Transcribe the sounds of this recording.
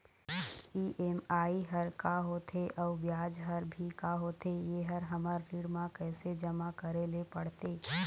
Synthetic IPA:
iːʔemaːiɦəɾkaɦoːt̪ʰeʔɔːɾʋjaːd͡ʒɦəɾbʱikaɦoːt̪ʰejeɦəɾɦəməɾɾiɽmãkɛːsed͡ʒəmakəɾelepɐɽt̪eː

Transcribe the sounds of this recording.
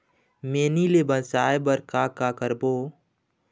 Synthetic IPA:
meːnilebənsaːebəɾkakakəɾboː

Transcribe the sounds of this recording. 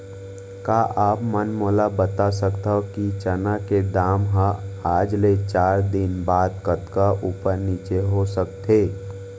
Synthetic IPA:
kaːʔaːpmənmoːlabət̪asəkt̪ːokit͡ʃənaked̪aːmɦãaːd͡ʒlet͡ʃaːɾd̪ɪnbaːd̪kət̪kaʔuːpəɾniːt͡ʃeɦosəkt̪ʰeː

